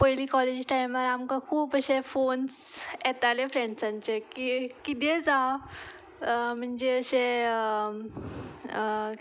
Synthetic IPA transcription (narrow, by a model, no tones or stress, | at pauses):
pəjliːkɔled͡ʑʈajimaɾamkãkʰuːbəɕefonsɛt̪alefɾeɳɖsãɲt͡ɕekikit̪ed͡za | m̤əɳd͡ʑeəɕe